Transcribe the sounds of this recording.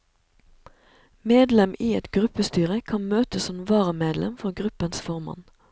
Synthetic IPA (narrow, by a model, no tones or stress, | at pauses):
meːd̪lɛmiːɛt̪ɡʁʉpəst̪yːʁəkʰɑnmøːt̪əsɔmʋɑːʁəmeːd̪lɛ̰mfɔʁɡʁʉpənsfɔʁmɑ̰n